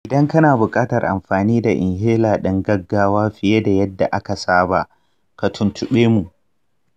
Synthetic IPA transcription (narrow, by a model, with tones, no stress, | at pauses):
ʔɪ˨dɐ˦ŋkɐ˦naː˨bʊ˨kʼaː˦tɐ˨rʔa̰˨mɸaː˨niː˦da˨ʔɪ̰˨ŋɦeː˦laː˨ɗɐ˦ŋɡɐ˦ɡːaː˦waː˦ɸɪ˨je˦da˨jɐ˦dːa˨ʔa˦ka˨saː˦ba˨ʔ | ka˨tʰʊ˨ntʊ˨ɓeː˦mu˨ʔ